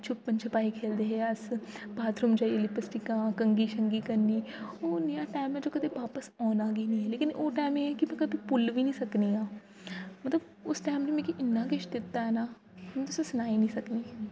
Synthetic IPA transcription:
t͡ʃʰʊpːənt͡ʃʰəpaːikʰeːld̪eːɦɛːəsbaːt̪ʰɾuːmd͡ʒaːielɪpəsʈɪkãːkəŋɡiːʃəŋɡiːkəɾniːoːnejaːʈaːmɛ̃d͡ʒoːkəd̪eːʋaːpəsɔːnaːɡiːnĩːɦɛːleːkɪnoːʈaːmeɛːkɪmɛ̃ːkəbʱiːpʊlʋiːnĩːsəkniːɦãː | mət̪ləb | ʊsʈaːmd͡ʒomɛ̃ːkiʔɪnːãːɡɪʃd̪ɪt̪ːaːɦɛːnaː | mɛ̃ːt̪ʊsẽsənaːiːnĩːsəkniːɦɛː

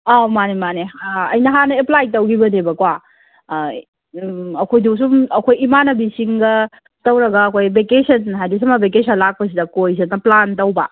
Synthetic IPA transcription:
amanemaneɐ̰jnɐɦanɐeplajtɐwɡibɐnebɐkwa | ɐkʰojdus̬umɐkʰojimanɐbisiŋɡɐ | tɐwɾɐɡɐːkʰojbekesɐnɦajdis̬ɐmɐbek̬esɐnlak̚pɐs̬idɐkojs̬enɐplantɐwbɐ

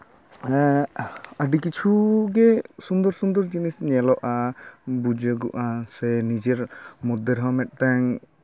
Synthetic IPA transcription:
aɖikit͡ʃʰuɡɛsund̪ɔɾsund̪ɔɾd͡ʒinisɲɛlɔʔabud͡ʒəɡuʔasɛnid͡ʒɛɾmɔd̪ːɛɾɦɔmɛt̪̚ˀt̪aŋ

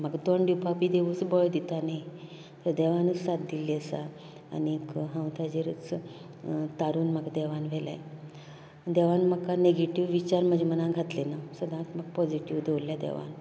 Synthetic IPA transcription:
məɡd̪oɳɖupʰapid̪eʋusbɔɭd̪it̪anai | t̪əɾd̪ɛʋanusad̪̚d̪ilːiəsa̰ː | niekɦə̃wt̪ʰad͡ʑeɾət͡s | t̪aɾuːnməɡd̪ɛʋanʋɛla̰j | d̪ɛʋanməkaneɡeʈiʋːit͡ɕaɾm̤əd͡ʑʱemənãɡʱat̪lenasəd̪ʱãt̪məɡ̚pɔd͡ʑiʈiʋd̪eulːjad̪ɛ̰ʋa̰n

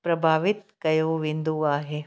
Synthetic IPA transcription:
pɾɐbʱaːʋɪt̪̚kɐjoːʋɪ̃nd̪uaːɦeː

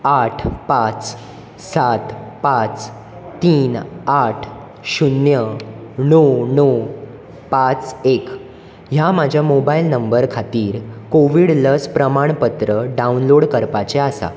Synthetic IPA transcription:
aʈʰpat͡s | sat̪pat͡s | t̪iːnaʈʰ | ɕunjənono | pat͡sek | jamad͡ʑʱjamobailnəmbəɾkʰat̪iːɾkoʋiɽləspɾəmaɳpət̪ɾəɖaunloɽkəɾpat͡ɕeasa̰

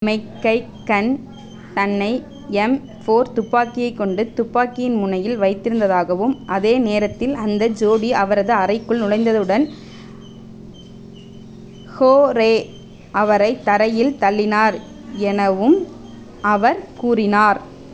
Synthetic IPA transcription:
mɐɪkːɐɪːɐn | t̪ɐnːɐɪ | ɛm | foːɾt̪ʊpːaːkɪjɐɪkːɔɳɖɯt̪ʊpːaːkɪjɪnmʊɳɐjɪlʋɐɪt̪ːɪɾɯnd̪ɐðaːɣɐʋɯmʔɐðeːneːɾɐt̪ːɪlɐnd̪ɐd͡ʒoːɽiɐʋɐɾɐðɯɐrɐɪkːɯɭnʊɻɐɪnd̪ɐðɯɽɐn | hoːɾeː | ʔɐʋɐɾɐɪt̪ːɐɾɐjɪlt̪ɐɭːɪnaːɾ | ɛnɐʋɯm | ɐʋɐɾkuːrɪnaːɾ

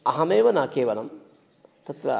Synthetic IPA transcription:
ɐɦɐmeːʋɐnaːkeːʋɐlɐm | t̪ɐt̪ɾɐ̰

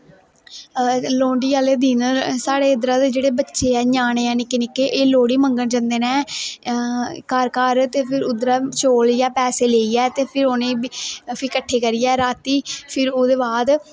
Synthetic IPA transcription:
loːɳɖiːaːleːd̪iːnsaːɽeːʊd̪əɾãːd̪eːd͡ʒeːɽeːbətːʃeːɛːɲaːñeːɛːnɪkːeːnɪkːeːʔeːloːɽiːməŋɡəɳd͡ʒə̃nd̪eːnɛː | kaːɾkaːɾt̪eːpʰɪɾʊd̪ɾaːt͡ʃoːljaːpɛːseːleːiːɛːt̪eːpʰɪɾoːnẽːpʰɪkəʈʰːeːkəɾiːɛːɾaːt̪iːpʰɪɾoːd̪eːbaːd̪

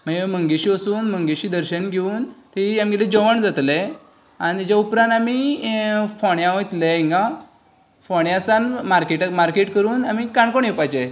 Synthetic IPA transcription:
məeməŋɡeɕiːəsuːnməŋɡeɕiːd̪əɾɕənɡʱeuːnt̪eiamɡeled͡ʑəʋəɳd͡zat̪le | añid͡ʑaupɾãnami | fɔɳjãʋõjt̪leĩŋɡa | fɔɳjãsanmaɾkeʈmaɾkeʈkəɾuːnamikaɳkoɳjepajt͡ɕe

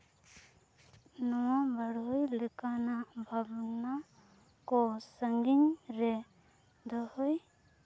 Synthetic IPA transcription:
nɔwabaɾɦɯjlɯkanabʱabna | kɔsəŋɡiɲɾe | d̪ɔhɔj

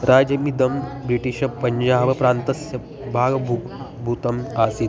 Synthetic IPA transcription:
ɾʔaːd͡ʒɐmid̪ɐmbɾiʈiʃɐpɐɲd͡ʒaːʋɐpɾaːnt̪ɐsjɐ | bʱaːɡɐbʱu | bʱut̪ɐmaːsit̪

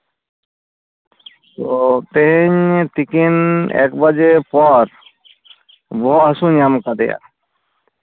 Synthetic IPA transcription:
t̪ot̪eɦeɲt̪ikinḛkbəd͡ʒepɔɾ | bɔasunjamkad̪eja̰

